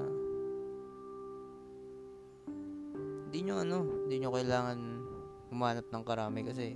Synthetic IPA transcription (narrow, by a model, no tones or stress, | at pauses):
ɪnd̪iɲoʔɐno̞ɪnd̪iɲokɐjlaːŋɐn | hʊmaːnɐp̚nɐŋkɐɾaːmɪkɐs̬ɛ